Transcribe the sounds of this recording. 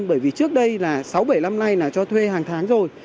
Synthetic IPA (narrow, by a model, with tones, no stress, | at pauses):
nɓəː˧˩jvi˨˩t͡ɕɨ˦˥ək̚ɗə˧jlaː˨˩sa˨˦wɓə˧˩jla˧mna˧jnaː˨˩t͡ɕɔ˧t̪ʰwe˧ɦaː˨˩ŋt̪ʰaː˨˦ŋzo˨˩j